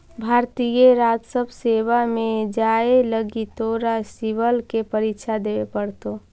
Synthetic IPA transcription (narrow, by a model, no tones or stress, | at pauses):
bʱaːɾt̪ijeɾaːd͡ʒsəbʱseːwamẽd͡ʒaːeləɡit̪oːɾasiʋəlkepəɾikʃʰad̪eːʋepəɽt̪o